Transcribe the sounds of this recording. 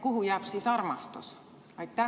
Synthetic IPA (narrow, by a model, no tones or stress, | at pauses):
kuhujæːpsiːsɑrmɑst̪o̰s | ʋɑikt̪æ